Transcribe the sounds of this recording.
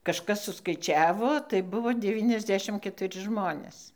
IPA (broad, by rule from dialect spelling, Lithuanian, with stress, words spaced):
kɐʃˈkɐs sʊskɐɪˈt͡ʃʲæːʋoː tɐɪ ˈbʊʋoː ˈdʲæːʋʲiːnʲɛzʲˌdʲæːʃʲɪm kʲɛtʊˈrʲɪ ˈʒmoːnʲeːs